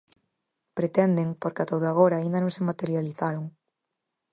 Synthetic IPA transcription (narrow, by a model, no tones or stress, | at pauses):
pɾet̪ɛnd̪eŋpoɾkat̪oðoaɣ̞oɾaːind̪ɐanõŋsemat̪eɾjaliθaɾoŋ